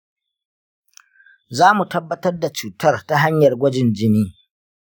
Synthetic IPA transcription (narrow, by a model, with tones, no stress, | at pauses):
zaː˦mu˨tɐ˦bːɐ˦tɐ˦rda˨t͡ʃuː˨tɐ˦rta˦ɦa˦ɲjɐ˨rɡʷɐ˦d͡ʒɪ˨nd͡ʒɪ˦niː˦